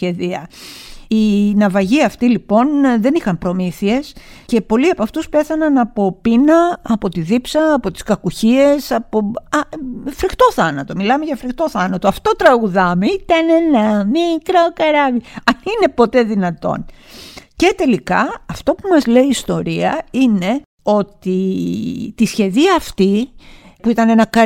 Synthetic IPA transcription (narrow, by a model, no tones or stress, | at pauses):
sçe̞ðiɐ̰ | inɐvɐʝiɐft̪ilipo̞nðe̞nixɐmpɾo̞miθie̞s | ce̞po̞liɐpɐft̪uspe̞θɐnɐnɐpo̞pinɐːpo̞t̪iðipsɐːpo̞t̪i̥skɐkuçie̞sɐpoɐfɾixt̪o̞θɐnɐt̪o̞milɐme̞ʝɐfɾixt̪o̞θɐnɐt̪o̞ɐft̪o̞t̪ɾɐɣuðɐmeit̪ɐne̞nɐmikɾokɐɾɐviɐnine̞po̞t̪e̞ðinɐt̪o̞̰n | ce̞t̪e̞likɐɐft̪o̞pumɐzle̞iːst̪o̞ɾiɐine̞ | o̞t̪i | t̪isçe̞ðiɐːft̪ipuit̪ɐne̞nɐkɐ